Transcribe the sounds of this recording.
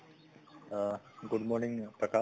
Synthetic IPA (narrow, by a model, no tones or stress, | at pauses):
ɡuɖmoːɾniŋpɾɐkaː